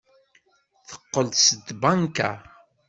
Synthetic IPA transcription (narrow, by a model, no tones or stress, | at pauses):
θə̥qːəlsəd̪baŋka̰